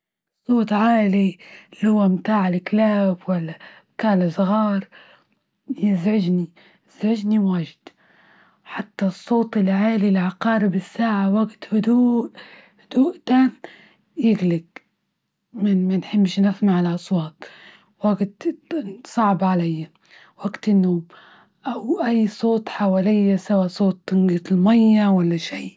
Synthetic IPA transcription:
sˤːoːt̪ˤʕaːlilhʊwːamt̪aːʕalɪklaːbwalːa | kaːlasˤɣɑːɾˤ | jɪzʕɪd͡ʒni | ɪz̥ʕɪd͡ʒniwaːʒɪd̪̥ | ħat̪ːasˤːoːt̪ˤɪlʕaːlilʕaqɑːɾɪbɪsːaːʕawaɡt̪hʊd̪uːʔ | hʊd̪̥uːʔt̪aːn | jɪɡlɪɡ | mɪnmanħɪbːʃnafnaʕalʔɑsˤwɑːt̪̚ˤ | waɡt̪ | sˤɑʕbʕalajːa | waɡt̪ɪnːoːm | ʔawʔajːsˤoːt̪ˤħawaːlɪjːasawasˤoːt̪ˤːɪnɡat̪lmajːawalːaʃiː

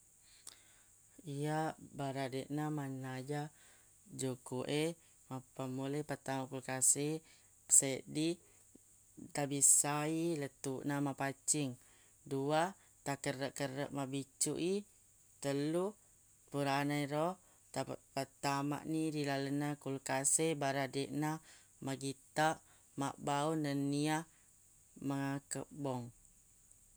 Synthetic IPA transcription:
ijaʔbaɾadeʔnamanad͡ʒa | d͡ʒukuʔe | mapamuləpət̪amakulkasi | ə̥səʔdi | t̪abisailət̪uʔnamapat͡ʃiŋ | dua | t̪akəɾəʔkəɾə̰ʔmabit͡ʃṵʔi | t̪əlu | puɾanajɾɔ | t̪apət̪ama̰ʔniɾilalənakulkasebaɾadeʔna | maɡit̪aʔ | maʔbaunənia | maŋakəbɔŋ

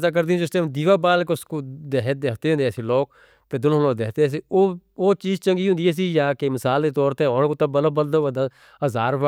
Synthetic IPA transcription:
zaːk̬əɾd̪ĩːd͡ʒʊst̪eːd̪iːʋaːbaːlkʊskoːd̪eɦd̪eːkʰt̪eːɦʊ̃nd̪eɛsiːloːk̚ | t̪eːd̪ʊlɦõloːd̪eːkʰt̪eɛːs̬iːoːoːt͡ʃiːzt͡ʃə̃ŋɡiːɦʊ̃nd̪iɛːs̬iːjaːkemɪsaːld̪eːt̪ɔːɾt̪eːɔːɽkoːt̪ãbəlobəld̪oːʋəd̪a | əzaːɾʋa

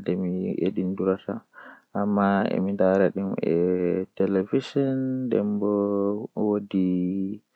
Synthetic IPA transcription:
dɛmiʔḛdinduɾataʔamːaɛ̰mindaɾaɗimɛ̰tɛlevisɔndɛ̰mbɔwodi

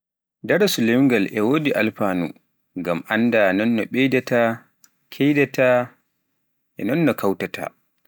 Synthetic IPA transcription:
daɾasulɛmŋɡalɛwodiʔalfanṵ | ŋɡamʔandanɔnːɔɓɛjdɛta | kʰɛjdɛta | ʔɛnɔnːɔkʰawtatʰa̰

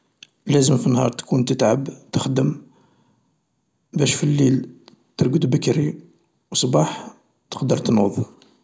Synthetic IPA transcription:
læzəmfinːhɑɾˤt̪kunt̪ət̪ʕabt̪əxd̪əm | bæʃfilːil | t̪əɾɡəd̪bəkɾi | wsˤbɑħ | t̪ə̥qd̪əɾˤt̪nuðˤ

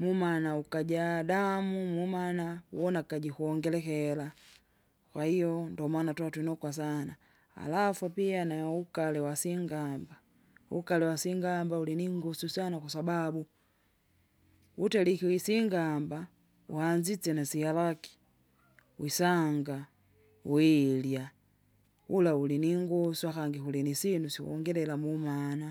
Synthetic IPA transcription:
mumanaukaɟadamumumanauwɔnakaɟikuɔŋɡɛlɛkɛla | kwahijɔndɔmwanatwatwinɔkwas̬ana | a̰lafupianaukalɛwasiŋɡamba | ṵkalɛwasiŋɡambauliniŋɡɔsusanakwasababu | utɛlikiwisiŋɡamba | ṵhand͡ʒit͡sɛnasijalaki̥ | wisaŋɡa | wilja | ulauliniŋɡɔsuakaŋɡihulinisinusiṵɔ̰ŋɡɛlɛlamumana

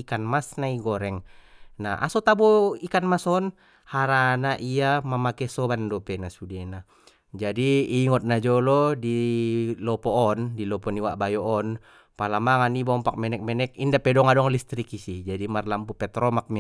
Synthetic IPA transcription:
ikanmasnaiɡɔɾɛŋnaa̰sɔt̪abɔikanmasɔn | haɾanaʔiamamakɛsɔbandɔpɛnasudɛna | d͡ʒadiːŋɔt̪̚nad͡ʒɔlɔdilɔpɔːndilɔpɔniwaʔbajɔʔɔn | palamaŋanibɔmpak̚mɛnɛk̚mɛnɛkindapɛdɔŋadɔŋlist̪ɾikisid͡ʒadimarlampupɛt̪ɾɔmak̚mi

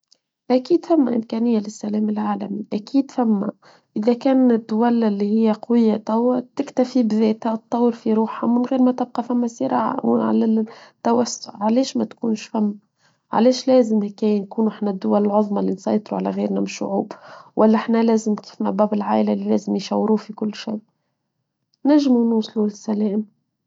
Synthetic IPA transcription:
ʔækiːd̪famːæʔɪmkæːnɪjːalɪsːælæːmɪlʕaːlæ̰miʔækiːd̪fæmːæ̰ | ʔɪðækæːnɪd̪ːʊwælɪlːihɪjːæqɑwɪjːat̪ˤɑwːɑt̪ɪkt̪afibðɛːt̪hæt̪ˤːɑwːəɾfiɾuːħhamɪnɣiːɾmæt̪ɪb̚qɑfamːæsɪɾɑ̰ːʕa̰wʕa̰læt̪ːawasʊʕʕalɛːʃmæt̪kuːnʃfæmː | ʕa̰lɛːʃlæːzɪmhækæːjænkuːnuʔɪħnæd̪ːʊwælɪlʕoðˤmɑlːinsˤɑ̰jt̪ˤɾuʕa̰læ̰ɣḭːɾnæbɪʃːʊ̰ʕṵːbwʔælːæʔħnælæːzɪmki̥ːfmæbæːbɪlʕa̰ːʔɪlælːilæːzɪmjʃæ̰wːɾuːfikʊlːʃej | næʒːmunuːsˤlulɪsælɛːm

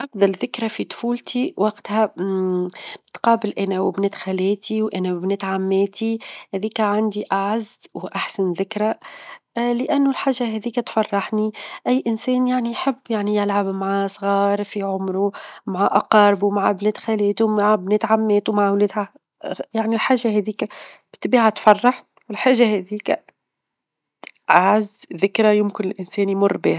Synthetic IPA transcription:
ʔɑfd̪ɑɾˤðɪkɾafit̪ˤfuːlt̪ʰiwɑqt̪hæ | t̪qɑːbɪlʔænæwɪbnɪt̪xælɛːt̪iwʔænæwbnɪt̪ʕamːɛːt̪ihɛðiːkæʕand̪iʔaʕazːwʔaħsanðɪkɾa | lɪʔænːʊlħaːʒːaɦɛðiːkæt̪fɑrˤːɑħniʔæjːʔɪnsɛːnjaʕniħɪbːjaʕnijɪlʕabmaʕasˤɣɑːɾˤfiʕʊmɾumaʕaʔaqɑːɾɪbumaʕbnɛːt̪xælɛːt̪umaʕbnɛːt̪ʕamːɛːt̪umaʕwlɛːd̪ha | jaʕnilħaːʒːaɦɛðiːkæb̥ɪ̥t̪biːʕat̪fɑrˤːɑħ | wɪlħaːʒːahɛðiːkæ | ʔaʕazːðɪkɾajʊmkɪnɪlʔɪnsɛːnjmʊrˤːbiːhæ

